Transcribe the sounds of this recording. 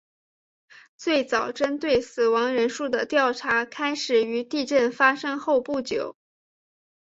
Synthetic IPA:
t͡swe˥˩ɪt͡sɑ˨˩ʊʈ͡ʂə˥nt̪we˥˩ɪsɹ̩˨˩wɑ˧˥ŋɻə˧˥nʂu˥˩d̪ə˩t̪jɑ˥˩ʊʈ͡ʂʰa˧˥kʰa˥ɪʂɻ̩˨˩y˧˥t̪i˥˧ʈ͡ʂə˥˩nfa˥ʂɤ˥ŋxo˥˧ʊpu˥˩t͡ɕjo˨˩˦ʊ

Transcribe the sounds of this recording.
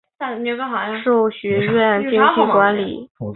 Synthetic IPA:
o˧˥ɡə˧˥xɑ˨˩˧ʂo˥˩ʊɕɥɛ˧˥ɥɛ˥˩ni˥ŋʰi˥˩kwa˧˥nlḭ˨˩˦

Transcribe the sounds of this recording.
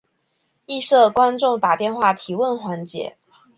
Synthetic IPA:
i˥˧ʂɤ˥˩kwa˥nʈ͡ʂʊ˥˩ŋt̪a˨˩t̪jɛ˥˧nxwa˥˩t̪ʰi˧˥wə˥˩nxwa˧˥nt͡ɕjɛ̰˧˥˦

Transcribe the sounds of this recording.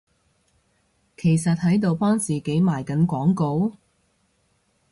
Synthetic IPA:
kʰe˨˩jsɐ˨t̚hɐ˨˥jt̪o˨wpɔː˥ŋt͡siː˨ke˨˥jmaː˨˩jkɐ˨˥nkʷɔː˨˥ŋko˧w

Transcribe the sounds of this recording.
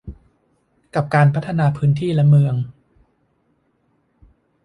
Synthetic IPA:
ka˨˩p̚kaː˧npʰa˦˥t̪ʰːa˧naː˧pʰɯː˦˥nt̪ʰiː˥˩lɛ˦˥mɯː˧əŋ

